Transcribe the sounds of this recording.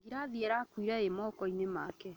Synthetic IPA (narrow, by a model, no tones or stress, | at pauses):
ɡiɾaðiɛɾakwiɾaemɔːkɔinema̰kɛ